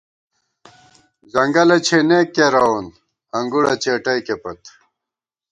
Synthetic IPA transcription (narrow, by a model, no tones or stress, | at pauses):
zɐŋɡɐlɐt͡ɕʰenekːeɾɐwun | ɐŋɡuɽɐt͡ɕʰeʈɐjkepɐt̪